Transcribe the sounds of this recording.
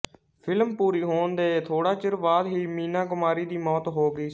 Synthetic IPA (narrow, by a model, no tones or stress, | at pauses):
pʰɪlmpuːɾiːɦoːnd̪eːt̪ʰoːɽaːt͡ʃɪɾʋaːd̪ɦiːmiːnaːɡʊmaːɾiːd̪iːmɔːt̪ɦoːɡiː